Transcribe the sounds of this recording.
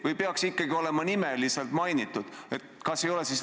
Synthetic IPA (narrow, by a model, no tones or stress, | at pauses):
vɤjpe̞ɑksikːˑɑɡio̞le̞mɑnime̞liselt̪ˑmɑjnit̪ːˑud̪̥e̞t̪kɑsːe̞jo̞le̞sis